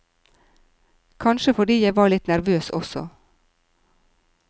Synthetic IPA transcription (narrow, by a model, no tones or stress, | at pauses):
kʰɑnʃəfɔɖiːjæɪʋɑːɭɪt̪næɾʋøːsɔsɔ̰